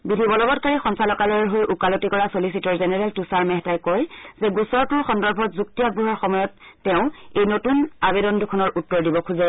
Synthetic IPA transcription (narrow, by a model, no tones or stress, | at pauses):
bidʱibɔlɔbɔtkaɹixɔnsalɔkalɔɹɛɦojʔukalotikɔɹasolisitɔɹzenɛɹɛltusaɹmɛɦɛtajkɔjzɛɡusɔɹtʊɹxɔndɔɹbʱɔtzuk̚tiaɡ̚buɦɔɹxɔmɔjɔtːɛʊ̃ejnotunabedɔndukʰɔnɔɹʔutːɔɹdibɔkʰuzɛ